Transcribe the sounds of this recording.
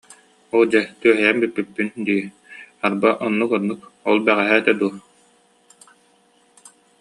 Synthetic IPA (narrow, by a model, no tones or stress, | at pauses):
ɔlˠd͡ʑɛt̪yœɦɛjɛmbypːypːynd̪iː | aɾbaʔɔnːukɔnːukɔlˠbɛʁɛɦɛt̪ɛd̪uɔ